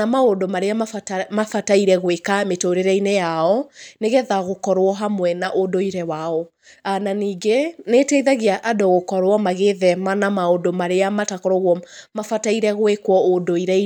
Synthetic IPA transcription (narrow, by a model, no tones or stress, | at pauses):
amaodomaɾeamafataiɾɛɣwekametoɾeɾɛinejaɔneɣɛðaɣokɔɾwɔɦamwɛnaʔodoiɾɛwaɔ | ananiːɡeneːtɛiðaɣeaʔadoɣokɔɾwɔmaɣeðɛmanamaodomaɾeamatakɔɾɔɣɔmafataiɾɛɣwekwɔodoiɾɛ